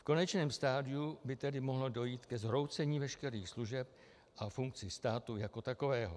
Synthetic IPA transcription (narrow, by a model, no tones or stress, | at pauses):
fko̞nɛt͡ʃnɛːmst̪aːdɪubɪt̪ɛdɪmo̞ɦlodo̞jiːt̪kɛzɦɾo̞wt͡sɛɲiːvɛʃkɛɾiːxsluʒɛp̚ | ʔafuŋk̚t͡sɪst̪aːt̪ujako̞t̪ako̞vɛːɦo̰